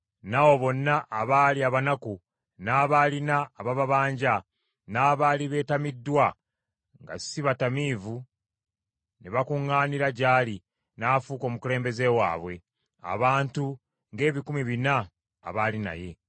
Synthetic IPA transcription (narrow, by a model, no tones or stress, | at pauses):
nawo̞βo̞nːaʔːβaːliaβanaku | naːβalinaːβaβaβaːɲɟa | naːβaliβe̞ːtamidːwa | ŋɡa̰siβatamiːvu | neβakuŋːaːniɾaɟaːli | naːfuːko̞ːmukule̞ːmbe̞ze̞wa̰ːβwe̞ | a̰βaːntu | ŋɡe̞ːβikumiβina̰ː | βalina̰je̞